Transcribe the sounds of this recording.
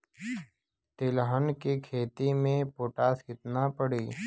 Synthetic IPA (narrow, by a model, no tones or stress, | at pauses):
t̪ɪlɦənkikʰeːt̪imẽpoːʈaːsɪt̪napəɽiː